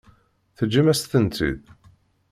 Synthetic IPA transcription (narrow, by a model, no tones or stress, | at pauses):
θəd͡ʒːimæst̪ənt̪ḭð